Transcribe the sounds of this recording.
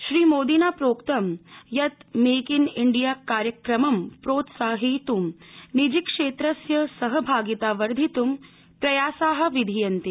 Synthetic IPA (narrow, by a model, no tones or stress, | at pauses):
ʃɾiːmoːd̪inaːpɾoːkt̪ɐmjɐt̪meːkiniɳɖijaːkaːɾjɐkɾɐmɐmpɾoːt̪saːɦit̪umnid͡ʒikʂeːt̪ɾɐsjɐsɐɦɐbʱaːɡit̪aːʋɐɾd̪ʱit̪um | pɾɐjaːsaːɦɐ̆ʋid̪ʱijɐnt̪i